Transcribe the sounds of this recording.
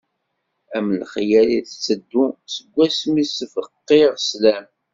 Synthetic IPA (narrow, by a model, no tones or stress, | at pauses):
æmlχjæliθt͡sːəd̪ːusəɡʷːæsmisfəqːeʁslæm